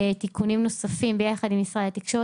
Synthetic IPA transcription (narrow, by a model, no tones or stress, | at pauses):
t̪ikunimno̞safimbejaχad̪imisʁalat̪ikʃo